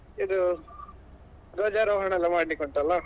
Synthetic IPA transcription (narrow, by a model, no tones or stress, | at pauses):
id̪u | ɾoːd͡ʒaɾoːɦɐɳɐɛlːɐmaːɽlikoɳʈ̪ɐlːɐ